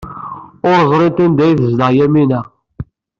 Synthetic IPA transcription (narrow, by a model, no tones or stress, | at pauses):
oɾzˤɾit̪ind̪æjθəzlɑʁjæminæ